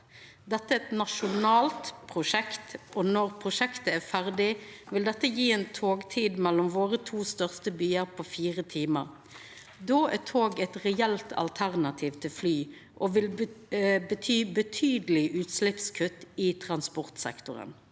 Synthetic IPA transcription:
d̪ɛt̪ːəɛt̪nɑʃʊnɑːlt̪pʰʁʊʂɛkt̪ʔɔnɔʁpʰʁʊʃɛkt̪əæfæʁd̪ɪʋɪld̪ɛt̪ːəjiːɛːnt̪ʰoːɡt̪ʰiːd̪mɛlːɔmʋoːʁət̪ʰuːst̪œʁst̪əbyːəʁpʰofiːʁət̪ʰiːmə̰ʁ | d̪oːʔæt̪ʰoːɡɛt̪ʁɛɛlt̪ʰɑ̰lt̪ʰæʁnɑt̪ʰiːʋt̪ʰɪlflyː | ʔoːʋɪl | bət̪ʰyːbət̪ʰyːd̪əlɪʔʉːt̪slɪpskʰʉt̪ːɪt̪ʰʁɑnspɔʁt̪sɛ̰kt̪ʊ̰ʁə̰n

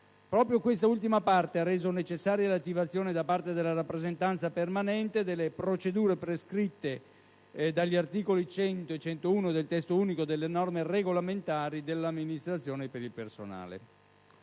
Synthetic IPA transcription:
pɾɔːpɾjokwest̪ault̪imapart̪earːeːzonet͡ʃesːaːɾjalat̪ːivat̪sːjoːned̪apart̪ed̪elːaɾapːɾezent̪ant̪sapermanɛnt̪ed̪elːepɾot͡ʃed̪uːɾepɾeskɾit̪ːe | d̪aʎːiart̪iːkolit͡ʃɛnt̪oet͡ʃːɛnt̪ouːnod̪elt̪ɛst̪ouːnikod̪elːenɔrmereɡolament̪aːɾid̪elːamːinist̪ɾat̪sjoːnepeɾilpersona̰ːlḛ

